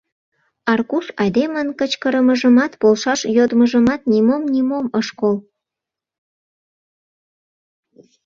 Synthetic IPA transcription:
ɑrkusɑd̪emənkət͡ɕkəɾəməʒəmɑt̪polʃɑʃjod̪məʒəmɑt̪̚nimomnʲimoməʃkol

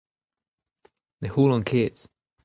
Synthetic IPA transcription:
ðehuːlə̃nkʰeːts

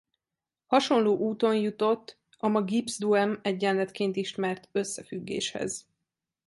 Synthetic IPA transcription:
hɒʃo̞nloːʔuːt̪o̞njut̪o̞t̪ː | ɒmɒɡibzd̪uɛmɛɟːɛnlɛt̪keːnt̪iʃt̪mɛrt̪ø̞sːɛfyɡːḛːʃhɛ̰z

